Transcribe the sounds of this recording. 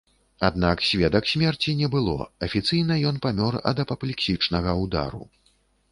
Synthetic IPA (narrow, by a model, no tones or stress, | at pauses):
ad̪naksʲvʲɛd̪ɐksʲmʲɛrt͡sʲinʲɛbɨlˠɔ̰ɐfʲit̪sɨjnɐjɔnpamʲɔrɐ̰d̪ɐpɐplʲiksʲit͡ʂnɐɣɐwd̪a̰ɾṵ